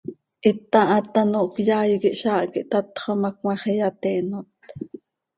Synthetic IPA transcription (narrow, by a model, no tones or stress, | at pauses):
ʔit̪ːɑʔɑt̪ɑnoʔkjaːjikiʔʃɑːʔkiʔt̪ɑt̪χomɑkmɑχijat̪ɛːnot̪̚